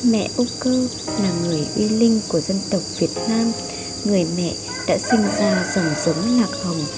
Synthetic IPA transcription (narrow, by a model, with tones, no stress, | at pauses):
mɛ̰˧˨ʔu˧kəː˧ | laː˨˩ŋɨ˨˩əjʔwi˧lï˧ŋ̟ku˧˩əzə˧nt̪ə˨˩wk͡p̚vi˨˩ət̚naː˧m | ŋɨ˨˩əjmɛ̰˧˨ | ɗa̰ː˧˥sï˧ŋ̟zaː˧zə˨˧˩ŋ͡mzə˨˦ŋ͡mlaː˨˩k̚hə˨˩ŋ͡m